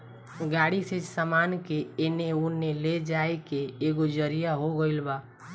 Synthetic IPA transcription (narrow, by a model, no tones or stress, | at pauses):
ɡaɽisəd͡ʒsamankeeneunːeled͡ʒaekeːɡod͡ʒəɾijaɦoɡəɪlba